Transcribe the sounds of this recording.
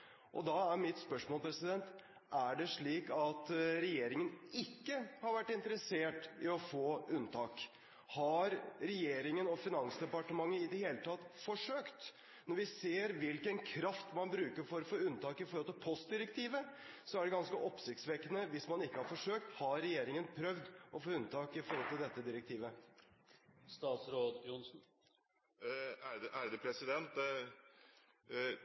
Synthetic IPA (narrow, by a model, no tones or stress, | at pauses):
ʔɔ̰d̪ɑæɾmɪt̪spœʂmoːlpʰɾɛsɪd̪ɛnt̪ | ʔæɖɛʂɭiːkɑt̪ɾɛjeːɾɪŋənɪkːəhɑɾʋæʈːɪnt̪əɾəseːʈɪɔfoːʉnt̪ʰɑːk | hɑɾɾɛjeːɾɪŋənɔfɪnɑnsd̪ɛpɑʈəmɑŋːəɪd̪ɛheːlət̪ʰɑt̪ːfɔʂøːkt̪ | nɔɾʋɪseːɾʋɪlkənkʰɾɑft̪mɑnbɾʉːkəɾfɔɾɔfoːʉnt̪ʰɑːkɪfɔɾhɔlt̪ʰɪlpʰɔst̪̚d̪ɪɾɛkt̪ʰiːʋə | sɔæɖɛɡɑnskəʔɔpsɪçkt̪sʋɛkənəʋɪsmɑnɪkːəhɑɾfɔʂøːk̚t̪hɑɾɛjeːɾɪŋənpʰɾœʋd̪ɔfoːʉnt̪ʰɑːkɪfɔɾɔlt̪ɪld̪ɛt̪ːəd̪ɪɾɛk̚t̪ʰiːʋə | st̪ɑːt̪sɾoːd̪jʊnsn̩ | æʔæd̪ɛpʰɾɛsɪd̪ɛnt̪